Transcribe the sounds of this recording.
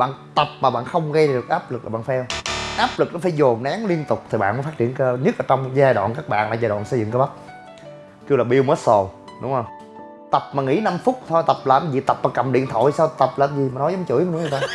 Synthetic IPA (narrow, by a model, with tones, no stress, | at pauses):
ɓa̰ː˧˨nt̪ə˨˩p̚maː˨˩ɓa̰ː˧˨nxə˧wŋ͡mɣə˧jɗɨ˨˩ək̚ʔaː˦˥p̚lɨ˨˩k̚laː˨˩ɓaː˧˨nfɛ˧wʔaː˦˥p̚lɨ˨˩k̚nɔ˨˦faː˨˦jzo˨˩nnaː˨˦ŋli˧ənt̪ʊ˨˩k͡p̚t̪ʰi˨˩ɓa̰ː˧˨nməː˨˦jfaː˦˥t͡ɕḭ˧˨ənkə˧ɲ˦˥k̚ʔəː˨˧t͡ɕɔ˧wŋ͡mzaː˧ɗwa̰ː˧˨nkaː˦˥k̚ɓa̰ː˧˨nlaː˧˩zaː˧jɗwa̰ː˧˨nsə˧jzɨ̰˧˨ŋkːa˧˦ɓə˦˥t̚ | ki˧wlaː˨˩ɓi˧əwməː˦˥t̚so˨˩ | ɗʊ̰˨˦ŋ͡mhə˧˩wŋ͡m | t̪ə˨˩p̚maː˨˩ŋḭ˧˥na˧mfʊ˦˥t̚t̪ʰo˧jt̪ə˨˩p̚laː˨˩mzi˨˩t̪ə˨˩p̚maː˨˩kə˨˩mɗḭ˧˨ənt̪ʰo̰˧˨jsaː˧wt̪ə˨˩p̚laː˨˩kzi˨˩ma˨˩nɔ˨˦jzə˨˦ŋ͡mt͡ɕɨ̰˧˥əjm˧˨˩nʊ˧˦˧t̪aː˧